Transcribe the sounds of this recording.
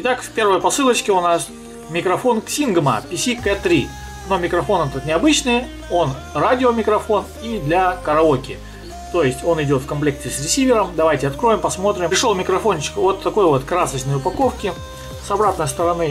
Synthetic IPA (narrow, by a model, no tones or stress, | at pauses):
ɪt̪akfʲpʲe̞rvəjəpɐsɨlˠət͡ɕkʲɪʊnas | mʲɪkɾɐfo̞nksʲinɡmə̰pʲɪsʲikɛt̪ɾʲi | no̞mʲɪkɾɐfo̞nɛt̪ət̪nʲɪɐbɨt͡ɕnɨj | o̞n | radʲɪomʲɪkɾɐfo̞n | id̪lʲakəɾɐokʲɪ | t̪o̞jɪsʲtʲo̞nɪdʲo̞t̪fkɐnmplʲe̞k̚tʲɪsʲɾʲɪsʲivʲɪɾəmd̪ɐvajtʲɪɐt̪kɾo̞jɪmpɐsmo̞t̪ɾʲɪpɾʲɪʂolˠmʲɪkɾɐfo̞nt͡ɕɪ̥kvo̞t̪ʰːɐko̞jvo̞t̪kɾasət͡ɕnəjʊpɐko̞fkʲɪ | sɐbɾat̪nəjst̪əɾɐnɨ